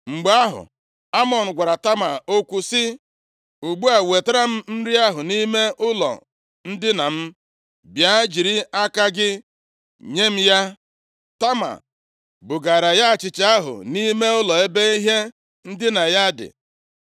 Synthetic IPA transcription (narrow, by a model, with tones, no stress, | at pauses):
ŋ͡m̩˨ɡ͡ba˦ɦʊ̰˨ | a˦mɔ˨n̩˨ɡʷa˨ɾa˨ta˦ma˨o˦kʷu˦sɪ˦ | u˨ɡ͡bu˦a˨we˨ta˦ɾa˦m̩˦m̩˦ɾi˦a˦ɦʊ˨ni˦me˦ʔʊ˦lɔ̰˨ | n̩˦dɪ˦na˨m̩˦ | bja˦d͡ʒi˨ɾi˦a˦ka˦ɡɪ˦ | ɲe˦m̩˦ja˦ | ta˦ma̰˨ | bʊ˨ɡa˨ɾa˨ja˦˨t͡ʃɪ˨t͡ʃa˦ɦʊ̰˨ni˦me˦ʊ˦lɔ˨e˦be˦i˦ɦe˦ | n̩˦dɪ˦na˨ja˦dɪ̰˨